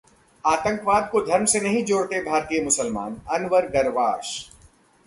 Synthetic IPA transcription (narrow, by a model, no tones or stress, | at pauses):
aːt̪ə̃ŋkʋaːd̪̚kod̪ʱɐɾmsenɐɦĩd͡ʒoːɽt̪ebʱaːɾt̪ijəmʊsəlma̰ːnɐnʋəɾɡɐɾʋaːʃ